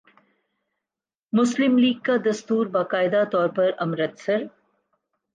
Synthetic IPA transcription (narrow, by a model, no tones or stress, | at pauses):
mʊslɪmliːɡ̚kad̪ɐst̪uːɾbaːkaːɪd̪at̪ɔːɾpɐɾɐmɾət̪sɐɾ